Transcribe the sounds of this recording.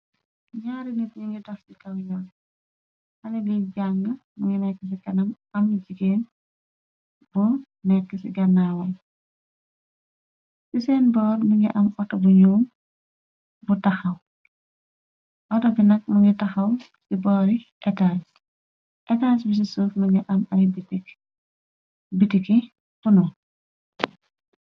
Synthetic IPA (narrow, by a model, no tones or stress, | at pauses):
ɲaːɾinit̚ɲiŋɡitɐfsikɐwjɔn | hɐlɛliɡaŋɡəmuŋɡinɛkːəs̬ikɐnɐm | ɐmːd͡ʒikeːn | bu | nɛkːəsḭɡɐnːawɐl | sisɛːnbɔːɾniŋɡiʔɐmɔtːɐbuɲuːm | butɐxɐw | ʔɔtɔbinɐk̚muŋɡɛtɐxɐw | sibɔːɾiʔɛtaːs | ʔɛtaːsbis̬isuːfmiŋɡɛʔɐmɐɾibiti | bitiki | funu